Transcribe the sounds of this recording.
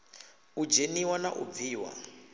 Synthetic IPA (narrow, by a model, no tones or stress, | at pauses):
ud͡ʒeniwanaʔṵb̪viːwa̰